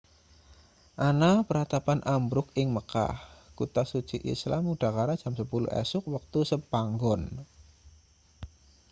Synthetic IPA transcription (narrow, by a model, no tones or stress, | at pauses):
ʔanapəɾhat̪apanʔambɾʊkɪŋməka̰hkut̪asud̥t͡ʃiʔḭslamuɖ̥a̤kaɾadʒ̥amsəpulʊ̰hɛ̰sʊk̚wak̚t̪usəpaŋɡɔn